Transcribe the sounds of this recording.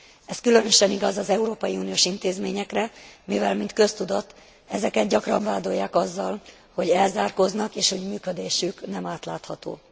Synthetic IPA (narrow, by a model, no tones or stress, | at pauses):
ɛskylø̞nø̞ʃɛniɡɒzɒzɛuɾoːpɒjiuːnijoːʃint̪eːzmeːɲɛkrɛmivɛlmint̪kø̞st̪ud̪o̞t̪ː | ɛzɛkɛt̪̚ɟɒkrɒɱvaːd̪o̞jːaːkɒzːɒl | ho̞ɟɛlzaːrkoznɒkeːʃho̞ɟmyːkø̞d̪eːʃyknɛmaːt̪laːt̪hɒt̪o̰ː